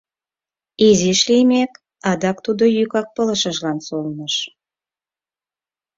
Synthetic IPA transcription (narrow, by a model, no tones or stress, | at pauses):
iziʃlimek | ɑd̪ɑk̚t̪ud̪ojykɑk̚pələʃəʒlɑnsolnəʃ